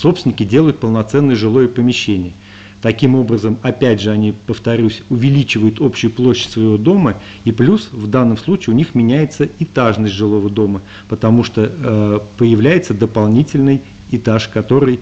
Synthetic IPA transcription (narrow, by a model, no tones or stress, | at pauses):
sopsʲɪnʲɪkʲɪdʲe̞lˠəjʊt̪̚pəlˠnɐt̪sɛnːəjəʐɨlˠo̞jəpəmʲɪɕːenʲɪjə | t̪ɐkʲimo̞bɾəzəmɐpʲædʲʐɨɐnʲipəft̪ɐɾʲusʲʊvʲɪlʲit͡ɕɪvəjʊt̪o̞pɕːʊjʊplˠoɕːɪ̥tʲsvəjɪvo̞d̪o̞mə | iplʲusvd̪anːəmslˠut͡ɕɪːʊnʲixmʲɪnʲæjɪt̪səɪt̪aʐnəsʲtʲʐɨlˠo̞vəd̪o̞mə | pət̪ɐmuʂt̪opəjɪvlʲæjɪt̪səd̪əpɐlˠnʲitʲɪlʲnɨj | ɪt̪aʂkɐt̪o̞ɾɨj